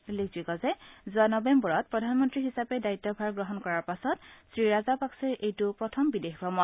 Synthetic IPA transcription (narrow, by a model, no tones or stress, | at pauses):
lik̚zikɔzɛzuanɔbembɔɹɔt̚pɹɔdʱanmɔntɹiɦisapɛdaitːɔbʱaɹɡɹɔɦɔnkɔɹaɹpasɔtsɹiɹazapaksɛɹʔejtʊpɹɔtʰɔmbidexkɹɔmɔ